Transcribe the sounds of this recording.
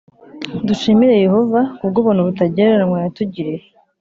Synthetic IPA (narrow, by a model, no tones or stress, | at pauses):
duʃiːmiɾe̞je̞ho̞vaubɡoβuːnuβutaɟeɾeɾmwajatuɟiɾe